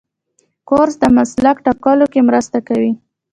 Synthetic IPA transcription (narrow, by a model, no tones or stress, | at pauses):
koɾzd̪əmaslakʈɑkɑlokemɾəst̪akawi